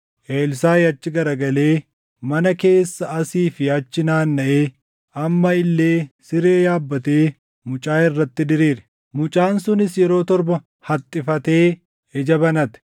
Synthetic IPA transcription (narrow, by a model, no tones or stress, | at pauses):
ʔeːlsaːjɐt͡ʃːɪɡɐɾɐɡɐle̞ː | mɐnɐke̞ːsːɐɐsiːfɪɐt͡ʃːɪnaːnːɐʔeː | ɐmːɐɪlːe̞ːsɪɾe̞ːjaːbːɐt̪e̞ː | mʊt͡ʃʼaːɪrːɐt̪ːɪd̪ɪɾiːɾɛ̥ | mʊt͡ʃʼaːnsʊnɪsjɛɾo̞ːt̪ɔɾbɐ | hɐt̪ʼːɪfɐt̪e̞ː | ɛd͡ʒɐbɐnɐt̪ɛ̥